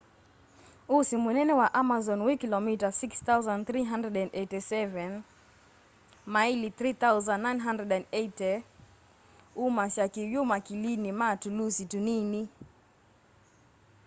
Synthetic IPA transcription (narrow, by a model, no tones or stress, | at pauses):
usimunɛnɛwaʔamazɔnwikilɔmitasikst̪auzanθɾiɦandɛdɛ̃ndɛtɛsɛvɛn | mailiθɾiθauzanːajnɦandɾɛdɛndɛjtɛ | umaʃakiwjumakilinimatulusitunini